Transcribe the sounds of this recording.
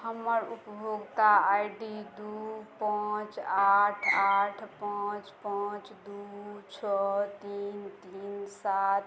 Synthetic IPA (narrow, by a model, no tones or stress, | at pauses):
həməɾupbʱoɡkaajɖid̪upãt͡ʃaʈʰaːʈʰpat͡ʃpaːt͡ʃd̪ut͡ʃʰɔt̪iːnt̪iːnsat̪